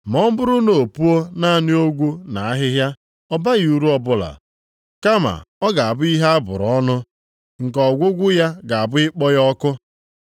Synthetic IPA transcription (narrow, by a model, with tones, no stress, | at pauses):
m˨ɔ˦m̩˦bʊ˦ɾʊ˦no˨o˨pu˦o˦na˦a˨nɪ˦o˦ɡʷu˦na˨a˦ɦɪ˦ɦja˦ | ɔ˦ba˦ɣi˦u˨ɾu˦ɔ˦bʊ˦la̰˨ | ka˦ma̰˨ɔ˦ɡa˨a˨bʊ˦i˦ɦa˦a˦bʊ̰˨ɾɔ˦nʊ˦ | ŋ̩˨kɔ˨ɡʷʊ˦ɡʷʊ˦ja˦ɡa˨a˨bʊ˦ɪ˦k͡pɔ˦jɔ˦kʊ˦